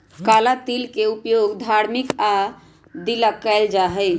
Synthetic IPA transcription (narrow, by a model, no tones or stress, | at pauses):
kalat̪ilkeupjoɡd̪ʱaɾmika | d̪ilakːɛld͡ʒaɦɛɪ